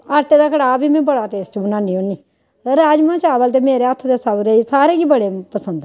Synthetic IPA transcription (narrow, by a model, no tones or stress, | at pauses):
əɾʈeːd̪aːkʰəɽaːbʱiːmɛ̃ːbəɽaːt̪eːst͡ʃbənãːɳɖiːõːniː | ɾaːd͡ʒmãːt͡ʃaːbəlt̪̬eːmeːɾeːət̪ʰːd̪eːsaːʋɾəiːsaːɾeːɡiːbəɽeːpəsə̃nd̪